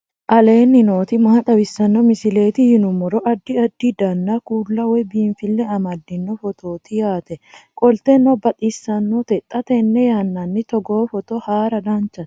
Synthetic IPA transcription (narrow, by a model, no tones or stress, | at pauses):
ʔɐle̞ːnːɪno̞ːt̪ɪmɐhɐt̪ʼɐbɪsːɐnːɔmɪsɪle̞ːt̪ɪhɪnʊmɔɾɔʔɐd̪ːɪɐd̪ːɪd̪ɐnːakuːlːɐwɔbiːnfɪlːɛɐmɐd̪ːɪnːɔfɔt̪ʰo̞ːt̪ɪjaːt̪ɛkʼɔlt̪ɛnːɔbɐt̪ʼisːɐnːot̪ɛt̪ʼːɐt̪ɛnːɛjaːnːɐnːɪt̪ɔɡoːfɔt̪ɔhaːɾɐd̪ɐnt͡ʃːɐ̥